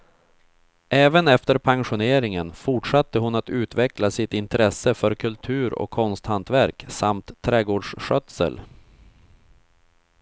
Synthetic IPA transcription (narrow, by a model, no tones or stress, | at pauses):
ʔɛːvənɛft̪əɾpʰaŋɧʊneːɾɪŋənfʊʈʂat̪ːəɦʊnat̪ʉ̟ːt̪vɛklasɪt̪ɪnt̪ɾɛsəfœɾkʰɵlt̪ʰʉ̟ːɾɔ̰kʰːɔnst̪hant̪væɾksamt̪ʰːɾɛːɡoːɖʂɧœt̪sə̰l